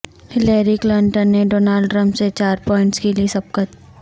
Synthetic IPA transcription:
hɪleːɾiklɐɳʈənːeɖoːnaːlɖʈɾə̃mpset͡ʃaːɾpɔːɪ̃ɳʈskeliesɐb̚kɐt

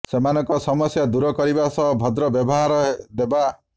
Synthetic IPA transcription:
semanɔŋkɔsɔmɔsjad̪uɾɔkɔɾibasɔɦbʱɔd̪ɾɔbjɔbɔɦaɾɔɦed̪eba

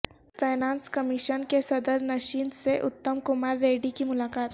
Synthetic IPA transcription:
fʰaːnãːnskəmɪʃənkesɐd̪əɾnɐʃiːnseʔʊt̪ːəmkʊmaːɾːeːɖikimʊlaːkaːt̪

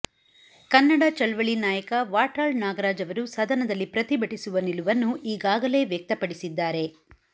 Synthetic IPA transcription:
kɐnːɐɽɐt͡ʃɐlʋɐɭinaːjɐkɐʋaːʈaːlnaːɡɐɾaːd͡ʒɐʋɐɾusɐd̪ʱɐnɐd̪ɐlːipɾɐt̪ibɐʈisuʋɐniluʋɐnːuʔiːɡaːɡɐle̞ːʋjɐk̚t̪ɐpɐɽisid̪ːaːɾe̞

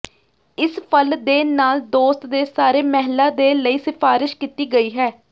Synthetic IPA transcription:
ɪspʰəld̪eːnaːld̪oːst̪d̪eːsaːɾeːmɛɦlːãːd̪eːləiːsɪpʰaːɾɪʃkiːt̪iːɡəiːɦɛː

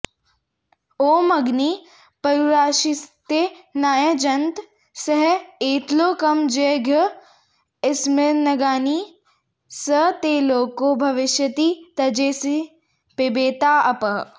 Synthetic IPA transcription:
oːmɐɡni | pɐɾuɾaːʃit̪enaːjəd͡ʒɐnt̪ | sɐɦeːt̪loːkɐmd͡ʒeɡʱə | ɪsmɪnɐɡaːni | sət̪eːloːkobʱɐʋɪʃjɐt̪it̪ɐd͡ʒeːsi | pebeːt̪aːʔɐpɐɦ

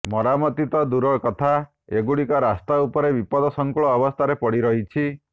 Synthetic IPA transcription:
mɔɾamɔt̪it̪ɔd̪uɾɔkɔt̪ʰa | eɡuɽikɔɾast̪aupɔɾebipɔd̪ɔsɔŋkuɭɔːbɔst̪ʰaɾepɔɽiɾɔɦit͡ʃʰi

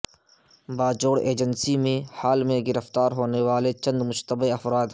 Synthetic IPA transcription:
baːd͡ʒoːɽḛːd͡ʒənsimẽhaːlmẽɡɪɾəft̪aːɾɦoːneʋaːlet͡ʃɐ̃nd̪mʊʃt̪əbiɐfɾaːd̪

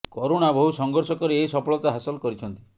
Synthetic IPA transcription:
kɔɾoɽ̃abɔɦusɔŋɡɔɾsɔkɔɾeeisɔpɔɭɔt̪aɦasɔlkɔɾit͡ʃʰɔnt̪i

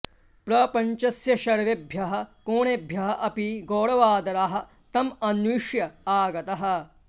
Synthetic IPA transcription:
pɾɐpɐɲt͡ʃɐsjɐʃɐɾʋebʱjɐɦɐ̆koːɳebʱjɐɦɐʔɐpiɡoːɽɐʋaːd̪ɐɾaɦɐ̆ | t̪ɐmɐniʂjɐaːɡɐt̪ɐɦɐ̆

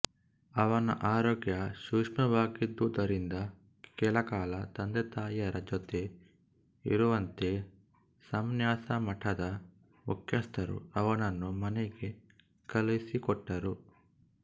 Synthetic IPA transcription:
ɐʋɐnɐ̰ʔaːɾoːɡjɐʃuʂmɐʋaːkid̪uːd̪ɐɾind̪ɐ | kɛːlɐkaːlɐt̪ɐnd̪et̪aːjɐɾɐd͡ʒot̪e̞ | ḭɾuʋɐnt̪e | sɐmnjaːsɐmɐʈʰɐd̪ɐ | mukjɐst̪ʰɐɾṵɐʋɐnɐnːumɐneɡe | kɐlisikɔʈːɐɾu

